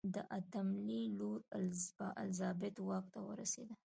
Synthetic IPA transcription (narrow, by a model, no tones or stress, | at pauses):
d̪əʔat̪amliloɾbəʔa̰lzɑbɪt̪wɑk̚t̪awə̰ɾa̰sḛd̪a